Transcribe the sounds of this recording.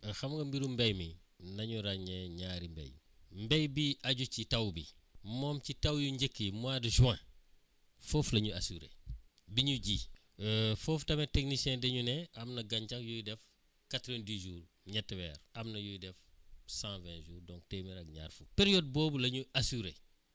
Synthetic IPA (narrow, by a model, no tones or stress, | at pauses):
xɐmŋɡɐmbiɾumbejminɐɲuɾaɲɛɲaɾimbɛ̰j | mbejbiʔɐɟucitɐwbimɔːmcitɐwjuɲɟekːimuadʒuwã | foːflɐɲuasuːɾḛ | biɲuɟiː | foːftɐmeteknisɛ̃ːdɛɲunɛʔɐmnɐɡɐɲt͡ʃɐkjujdɛf | katɾẽndiːʒuːɾ | ɲɐtːwɛːɾɐmnɐjujdɛfsãːvɛ̃ːʒuːɾdɔ̃ŋkteːmiɾɐk̚ɲa̰ːɾfupeɾijod̚boːbulɐɲuasuɾe